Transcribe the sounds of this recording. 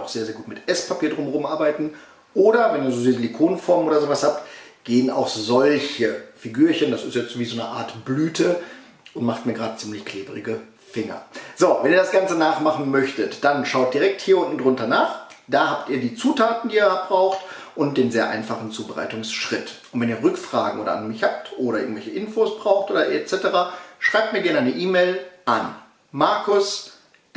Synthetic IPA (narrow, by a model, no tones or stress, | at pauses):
ʔaʊxz̥eːɐzeːɐɡuːtmɪtʔɛspʰapʰiːɐdʁʊmʁʊmʔaɐbaɪtn̩ | ʔoːɾɐvɛniːɐzoːdiːzəlikʰoːnnfɔɐmnʔoːɾɐzoːvashaːptɡ̥eːəna̰ʊxzɔlçəfiɡyːɐçəndasɪstjɛt͡stv̥iːzoːnəʔa̰ːɐtb̥lyːtʰə | ʔʊntmaχtmiːɐɡʁaːdət͡siːmlɪçkʰl̥eːbəʁɪɡə | fɪŋɐ̰z̥oːvɛniːɐɾasɡ̥ant͡sənaːχmaχn̩mœçtətd̥anʃaʊt̚d̥iʁɛk̚thiːɐʊntn̩dʁʊntɐnaːχ | d̥aːhaːptiːɐdiːt͡suːtʰaːtn̩diːɐab̥ʁaʊxt | ʔʊnt̚d̥eːnzeːɐʔa̰ɪnfaχn̩t͡suːbəʁa̰ɪtʊŋsʃʁ̥ɪtʔʊntvɛniːɐʁʏkfʁ̥a̰ːɡŋ̩ʔoːɾɐ̰anmɪçhap̚tʔoːdɾɐɪ̰ɐŋ̩tvɛlçəʔɪnfoːsb̥ʁaʊxtʔoːdɐʔɛt͡sɛtəʁaːʃʁ̥aɪp̚tmiːɐɡɛɐnəʔaɪnəʔiːmeɪlʔan | maɐkʊs